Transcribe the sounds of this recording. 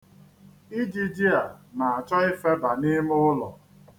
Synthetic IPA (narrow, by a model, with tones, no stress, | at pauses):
i˦d͡ʒi˦d͡ʒi˦a˨na˨a˨t͡ʃɔ˦i˦fe˦ba˨ni˦m˦ʊ˦lɔ̰˨